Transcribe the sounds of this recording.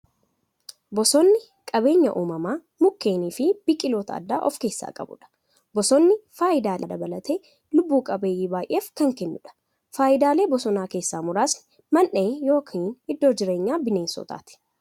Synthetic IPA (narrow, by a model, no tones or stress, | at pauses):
bɔsɔnːɪ | kʼɐbe̞ːɲːɐ̰ʔuːmɐmaː | mʊkːe̞ːniːfɪb̥ɪkʼːɪlo̞ːt̪ʰɐɐ̰d̪ːa̰ːʔɔfke̞ːsːa̰ːkʼɐ̰bʊ̰ᶑɐ̥ | bɔsɔnːɪfaːʔɪd̪aːd̪ɐd̪ɐbɐlɐt̪eː | lʊbːuːkʼɐbeːjiːbaːjʔe̞ːfkɐŋkɛnːʊᶑɐ̥ | faːʔɪd̪aːle̞ːbɔsɔnaːke̞ːsːaːmʊɾaːs | mɐnʔeːjo̞ːkʰiːnɪd̪ːo̞ːd͡ʒɪɾe̞ːɲːaːbɪne̞ːnsɔ̰t̪a̰ːt̪ɪ̥